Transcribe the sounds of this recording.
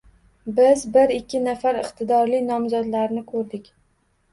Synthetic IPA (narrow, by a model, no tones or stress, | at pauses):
bɪzbɪɾɪkʲʰːɪnafaɾɪqt̪ʰɪd̪ɒɾlɪnɒmzɒd̪laɾnɪkʰɵɾd̪ɪkʲ